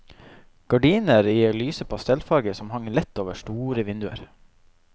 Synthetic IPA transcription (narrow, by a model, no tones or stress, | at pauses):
ɡ̥ɑɖiːnəɾiːoːlyːsəpʰɑst̪ɛlfɑɾɡəsɔmhɑŋəlɛt̪ːoːʋəʃʈuːɾəʋɪnd̪ʉə̰ɾ